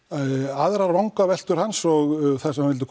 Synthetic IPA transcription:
aðɾaɾvawŋkavɛl̥t̪ʏɾ̥hansɔɣθasɛmavɪlt̪ɪkʰ

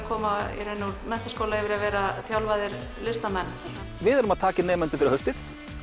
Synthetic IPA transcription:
kʰɔːmaɪ̰ɾɛnuɾmɛh̪t̪ḁskowlaɛvɪɾavɛːɾaθjawlvaðɪɾlɪst̪amɛnː | vɪðɛɾʏmaðt̪ʰaːcɪnɛːmɛnt̪ʏfɪɾɪɾhœfst̪ɪθ

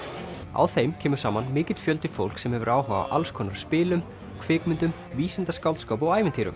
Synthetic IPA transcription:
a̰wθejmcʰɛːmʏ̥saːmanmɪːcɪt̪fjœlt̪ɪ̥fo̰wl̥ksɛmhɛvʏɾaːwɦaːva̰ʔa̰lskʰɔːnaɾ̥spɪːlʏm | kʰvɪːkmʏnt̪ʏm | viːsɪnt̪askaw̪t̪skawp̬ɔɣaːjvɪnt̪ʰiːɾʏ̰m

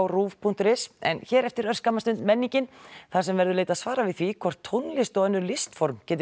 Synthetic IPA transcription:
wruːvpʰunt̪ʏɾɪsɛ̰nçɛːɾɛft̪ɪɾœɾ̥skamːast̪ʏnt̪mɛnːiɲcɪnθḁsɛmvɛɾðʏleːjt̪asvaːɾavɪðθvikʰvɔr̥t̪ʰːownlɪst̪ɔːɛnːʏɾlɪst̪fɔɾmcɛːt̪ɪ

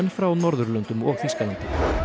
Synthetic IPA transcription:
nfɾawnɔɾðʏɾlœnt̪ʏmɔɣfiskalant̪ɪm

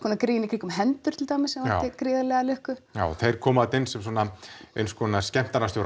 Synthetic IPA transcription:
kʰɔnakɾɪjɪnɪkɾiːkʏmɦɛnt̪ʏɾ̥t̪ʰɪlt̪aːmɪsːɛmvaɪkɾɪːðalɛɣalʏhkʏja̰ːwθejɾ̥kʰɔːmat̪ɪnsɛms̬uɔːnaeɥnskʰɔːnascɛm̥t̪anast̪jowɾ

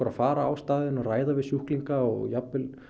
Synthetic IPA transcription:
ɾafaːɾaaːwst̪aːðɪnɔraːjðavɪðsjuhkliŋkaɔɣjapːɪl

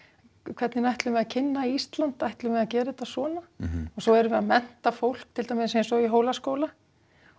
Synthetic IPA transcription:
kʰv̥ɛt̪nɪnajht̪lʏmɛðacʰɪnːaiist̪lant̪ajht̪lʏmɛðacɛːɾɪɪt̪ːasɔːnaɔsowɛɾvɪðamɛn̥t̪afowl̥k̚t̪ʰɪlt̪amɪsɛsɔiɦoːwlaskowla

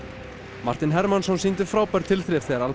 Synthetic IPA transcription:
ma̰ɾ̥t̪ɪnɦɛɾmansɔnsiːnt̪ʏɾ̥fɾaːwpaɾ̥t̪ʰɪlθɾɛfθɛɣaɾal

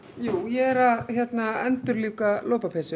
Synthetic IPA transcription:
juːjɛɛɾaçjɛt̪naɛnt̪ʏɾliːkaloːwpapʰɛsʏ

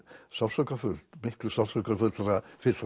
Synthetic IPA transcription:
salsɔkafʏl̥t̪mɪhklʏsasɔkaɾfʏlt̪ɾafɪt̪

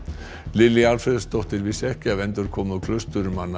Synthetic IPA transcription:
lɪlialfɾɛðast̪ɔht̪ɪɾvɪsɛhcɪavɛnt̪ʏɾ̥kʰɔːmðakʰlœst̪ʏɾʏmanːa

